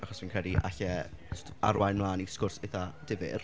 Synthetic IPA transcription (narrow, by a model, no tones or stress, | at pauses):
aχɔsmiːnkr̥ɛdiʔa̰ɬɛ | o̥tʰa̰rwajnmlˠaːniskʊrseθad̥ɪvɪ̰r